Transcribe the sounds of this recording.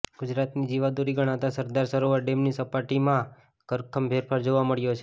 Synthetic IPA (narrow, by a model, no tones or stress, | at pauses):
ɡ̥ʊd͡ʒɾat̪nid͡ʒiʋad̪oɾiɡəɽ̃ãt̪asəɾd̪aɾsəɾoʋəɾɖemnisəpaʈimã | kəɾkʰəmbʱeɾpʰaɾd͡ʒoʋaməɭjot͡ʃʰe